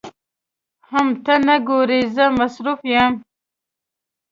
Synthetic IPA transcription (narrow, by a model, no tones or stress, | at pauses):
hamt̪anaɡoɾizəmasɾufjam